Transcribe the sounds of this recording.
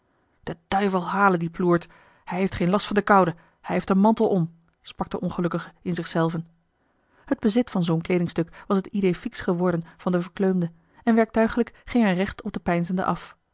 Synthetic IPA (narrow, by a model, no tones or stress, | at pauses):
d̥əd̥œɥvəlˠɦaːləndipluːɹt | hɛjɦejftχejnlɑstfɑndəkɑwdə | hɛjɦejftənmɑntəlˠɔm | sprɑk̚d̥əʔɔnχəlɵkəχəɪnzɪχsɛlˠvən | həd̚bəzɪtfɑnzownklejdɪŋstɵkʋɑsɦətidejfiksχəʋɔɹdənv̥ɑndəvəɹkløɥmdə | ɛnʋɛɹk̚tœɥχələkχɪŋɦɛjrɛχtɔb̚dəpɛjnzəndə̰ʔɑf